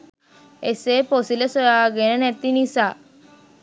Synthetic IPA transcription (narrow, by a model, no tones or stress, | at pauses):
esepɔsilesɔaɡenenɛt̪inisa